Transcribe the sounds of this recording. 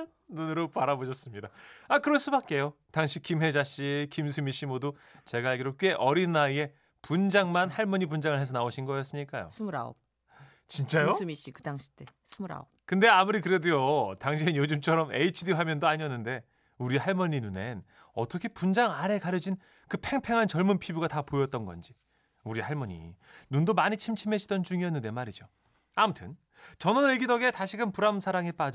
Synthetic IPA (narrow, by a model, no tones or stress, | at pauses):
nunɯɾopaɾaboɕʰʌs͈ɯmɲidaakɯɾʌns͈ɯbat̚k͈e̞jo | taŋɕʰikimɦe̞d͡ʑaɕ͈ikimsʰumiɕ͈imodo | t͡ɕe̞ɡaɦaɭɡiɾok͈e̞ʔʌɾinaie̞ | pund͡ʑaŋmanhaɭmʌɲibund͡ʑaŋɯɭhesʰʌnaoɕʰinɡʌjʌs͈ɯmɲik͈ajo̰sʰumuɾa̰o̰p̚ | t͡ɕint͡ɕ͈ajomiɕ͈ikɯdaŋɕʰi̥tesʰumɾa̰o̰p̚kɯnde̞amuɾikɯɾe̞dujotaŋɕʰininjod͡ʑumt͡ɕʰʌɾʌme̞̰it͡ɕʰidiɸamjʌndoaɲiʌnːɯnde̞ | uɾihaɭmʌɲːinune̞n | ʌt͈ʰʌkʰe̞pund͡ʑaŋaɾekaɾjʌd͡ʑin | kɯpʰe̞ŋpʰe̞ŋɦant͡ɕʌɭmunpʰibuɡatapojʌt̚t͈ʌnɡʌ̰nd͡ʑi | uɾihaɭmʌɲḭnundomaɲit͡ɕʰimt͡ɕʰime̞ɕʰidʌnt͡ɕuŋiʌnːɯnde̞maɾid͡ʑo | amutʰɯn | t͡ɕʌnʌnɯɭɡidʌɡetaɕʰiɡɯnpuɾamsʰaɾaŋep͈ad͡ʑ